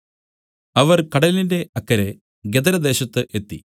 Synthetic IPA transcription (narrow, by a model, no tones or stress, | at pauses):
ɐʋɐrkɐɽɐllinde̞ʔɐkːɐɾe̞ | ɡed̪ɐɾɐd̪e̞ːɕɐt̪ːɨʔe̞t̪ːi